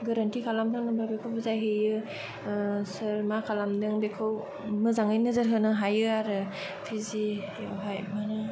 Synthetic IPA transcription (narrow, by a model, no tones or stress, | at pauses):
ɡɯɾantikʰalamtʰɯŋnɯmɾabekʰɯwbɯzajɦɯjɯ | səɾmakʰalamdɯŋbekʰɯw | mɯzaŋɯjnɯzɯɾɦɯnɯɦajɯaɾɯ | pʰizi | ɦajmanɯ